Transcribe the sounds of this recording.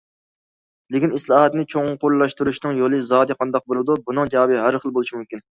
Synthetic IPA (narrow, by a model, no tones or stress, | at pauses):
lɪkʲinislˠɑːɦɛt̪nɪt͡ʃʰoŋqʰoɾlˠːɑʃt̪uɾuʃnɨŋjolˠɨzɑːd̪ɨqʰɑnd̪ɑq̚bolˠɨd̪ubunɨŋd͡ʒɑwbɨɦæɾχəlˠbolˠuʃimumkʲin